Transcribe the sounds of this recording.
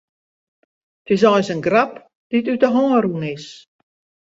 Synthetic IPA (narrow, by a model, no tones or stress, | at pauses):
tɪs̬ɔjsənɡrap | d̥itytəɦɔːɾunɪs